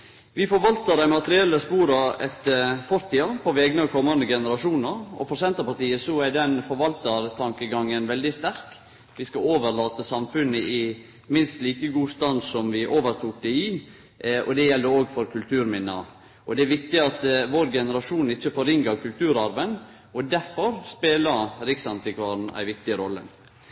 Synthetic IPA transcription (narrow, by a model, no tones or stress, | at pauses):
ʋɪfɔɾʋɑlt̪əd̪æɪmɑt̪əɾɪɛlːəspuːɾɑɛt̪fɔɾt̪ʰiːɑpʰɔʋɛːɡənɑkʰɔmːɑnd̪əɡɛnəɾɑʂuːnəɾɔ̰fɔɾsɛnt̪əpɑt̪iːəsɔæɖ̪ɛnfɔɾʋɑlt̪əɾt̪ʰɑŋkəɡɑŋːənʋɛld̪ɪst̪æɾk | ʋɪskɑoːʋəɾlɑːt̪əsɑmfʉnəʔɪ | mɪnst̪liːkəɡuːst̪ɑnsɔmʋɪʔoːʋəɾt̪ʰuːk̚d̪ɛi | ɔd̪ɛjɛld̪əoːɡfɔɾkʰʉlt̪ʰʉːɾmɪnːə | ʔɔd̪ɛæɾʋɪkt̪ɪɑt̪ʋoɾɡɛnəɾɑʂuːnɪçːəfɔɾɪŋəɾkʉlt̪ʰʉːɾɑɾʋən | ɔd̪æɾfɔɾspeːləɾɪksɑnt̪ɪkʰʋɑɾn̩æ̰ɪʋɪkt̪ɪəɾɔlːə̰